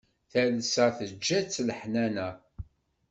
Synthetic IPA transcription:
θælsæθəd͡ʒːæt͡sːləħnænæ

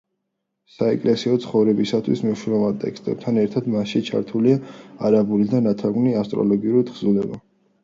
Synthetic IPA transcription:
saɛkʼlɛsiɔt̪sʰχɔvɾɛbisat̪ʰwismɛʃɾɔvant̪ʼɛ̰kst̪ʼɛb̥̚t̪ʰanɛɾt̪ʰad̪maʃit͡ʃʰa̰ɾt̪ʰuliaːɾabulid̪anat̪ʰaɡniast̪ʼɾɔ̰lɔɡiuɾid̪ʁzulɛba

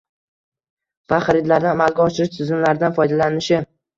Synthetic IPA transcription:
v̥aχaɾɪd̪laɾd̪ɪamalˠɡʲaɒʃɪɾɪʃt̪ʰʊzɪnlaɾd̪anfɒjd̪alanɪʃɪ

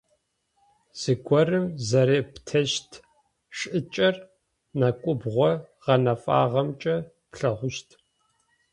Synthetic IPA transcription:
z̥ɨɡʷɔrɨmzɐɾeːptʰɐʃtʰ | ʂʼɨt͡ʃʼɐr | nakʷʼʊbʁʷɔʁɐnɐfʼa̰ːʁɐmt͡ʃʼɐ | pɬɐʁʷʊʃtʰ

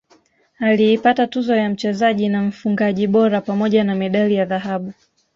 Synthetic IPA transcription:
aliːpatatuzɔjam̩t͡ʃɛzaʄinam̩fuŋɡaʄiɓɔɾapamɔʄanamɛɗalijaðaɦaɓu

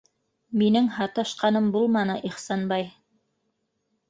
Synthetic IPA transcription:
minɘŋhɑt̪ɑʃqɑnɤmbulˠmɑnɤʔiχsɑnbɑj

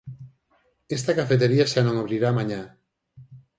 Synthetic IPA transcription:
est̪akafet̪̬eɾiaʃanõŋoβɾiɾaːmãɲa

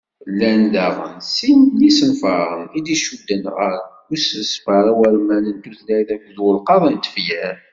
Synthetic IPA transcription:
lːænd̪æʁə̰nsimlisənfəʁid̪iʃud̪ːænʁɑɾ | ussfəɾæwæɾmænənt̪uθlæjθækːðwəlqɑðˤənt̪ːə̥fjæɾ

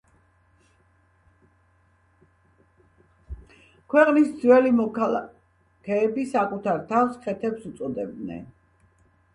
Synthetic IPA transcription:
kʰwɛqʼnisd̪zwɛlimɔkʰalˠa | kʰɛːbisakʼut̪ʰaɾt̪ʰafsχʰɛt̪ʰɛpsut̪sʼɔd̪ɛb̚d̪nɛ̰n

